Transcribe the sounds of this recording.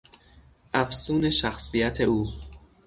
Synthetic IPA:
ʔæfsuːneʃæxsijæt̪ʰeuː

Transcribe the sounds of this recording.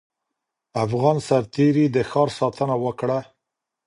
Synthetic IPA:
afɣɑnsaɾt̪eɾid̪əxɑɾsɑt̪ənawəkɽa

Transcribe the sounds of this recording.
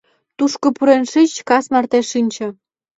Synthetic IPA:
t̪uʃkŏpuɾenʃit͡ɕkɑsmɑrt̪eʃinʲt͡ɕĕ

